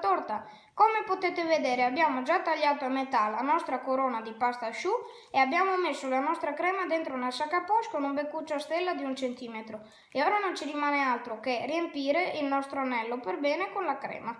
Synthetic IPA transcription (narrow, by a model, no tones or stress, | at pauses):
t̪oɾt̪a | komepot̪et̪eved̪eːɾeabjaːmod͡ʒat̪ːaʎːaːt̪oamːet̪alːanɔst̪ɾakoɾɔːnad̪ipast̪aʃu | eabːjaːmomesːolanɔst̪ɾakɾɛːmad̪ent̪ɾonasakːapɔskonumbekːut͡ʃːast̪ɛlːad̪iunt͡ʃent̪iːmet̪ɾo | eɔːɾanont͡ʃiɾimaːnealt̪ɾokeriempiːɾeilnɔst̪ɾoanɛlːoperbɛːnekonlakɾɛ̰ːma